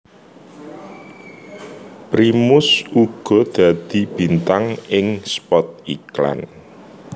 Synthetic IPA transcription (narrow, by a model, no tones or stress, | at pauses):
pɾimʊsuɡ̥ɔ̤d̪̥a̤d̪̥i̤b̥i̤nt̪aŋɪŋspɔt̪̚ikla̰n